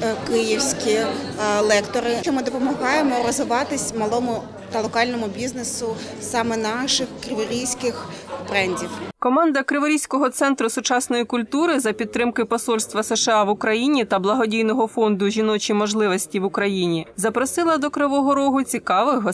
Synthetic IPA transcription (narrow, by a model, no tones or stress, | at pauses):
kɪjiwsʲkʲilˠɛkt̪ɔɾɪt͡ʃɔmɪd̪ɔpɔmɐɦɑjemɔɾɔzɪʋɑt̪ɪsʲmɐlˠɔmʊ | t̪ɐlˠɔkɑlʲnɔmʊbʲiznesʊ | sɑmɛnɑʃɪxkɾɪʋɔɾʲijsʲkɪx | pɾɛnʲdʲiwkɔmɑnd̪ɐkɾɪʋɔɾʲijsʲkɔɦɔt̪sɛnt̪ɾʊsʊt͡ʃɑsnɔjikʊlʲt̪uɾɪzɐpʲid̪t̪ːɾɪmkɪpɔsɔlʲst̪ʋɐsɛʃɛɑʋʊkɾɐjinʲit̪ɐblˠɐɦɔdʲijnɔɦɔfɔnd̪ʊʒʲinɔt͡ʃʲimɔʒlˠɪʋɔsʲtʲiʋʊkɾɐjinʲizɐpɾɔsɪlˠɐd̪ɔkɾɪʋɔɦɔɾɔɦʊt͡sʲikɑʋɪɦɔ